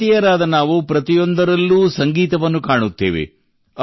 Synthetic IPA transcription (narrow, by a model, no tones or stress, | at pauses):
ijɐɾaːd̪ɐnaːʋupɾɐt̪ijo̞nd̪ɐɾɐlːuːsɐŋɡiːt̪ɐʋɐnːukaːɳut̪ːe̞ːʋḛ | ɐ